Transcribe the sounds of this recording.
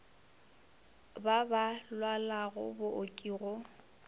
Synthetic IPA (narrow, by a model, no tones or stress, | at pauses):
babalwalaɣʊ̰bʊʔokʼiːɣɔ